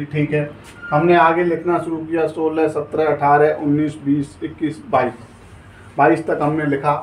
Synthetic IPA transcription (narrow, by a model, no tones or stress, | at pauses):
ʈʰiːkɦɛː | ɦɐmneaːɡelɪkʰnaʃʊɾukijasoːləsɐt̪ɾəɐʈʰaːɾɛʔʊnːiːsbiːsɪkːiːsbaːiːs | baːist̪ɐkɦɐmnelɪkʰa